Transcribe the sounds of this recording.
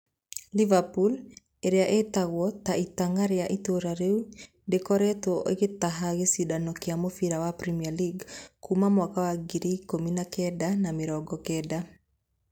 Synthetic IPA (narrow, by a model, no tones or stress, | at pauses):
livapul | eɾejaʔetaɣwɔtaitaŋaɾeaʔitoɾaɾeu | dekɔɾɛtɔʔḛɣetaɦaɣesidanɔkeamofiɾawapɾɛmialiɡkumamwakawaɡiɾikominakɛdanameɾɔɡɔkɛda